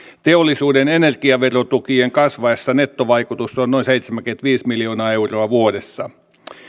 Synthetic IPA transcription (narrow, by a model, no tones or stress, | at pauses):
t̪eolːisuːdenenerɡiɑʋerot̪ukieŋkɑsʋɑesːɑnet̪ːoʋɑikut̪usːonnoinseit̪semæŋkyent̪ʋiːsmiljoːnɑeuroɑʋuodesːɑ